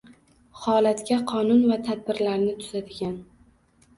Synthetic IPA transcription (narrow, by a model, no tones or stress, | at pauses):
hɒlat̪kʲaqʰɒnʊnvat̪ʰad̪̚bɪɾlaɾnɪt̪ʰʊz̥ad̪ɪɡʲan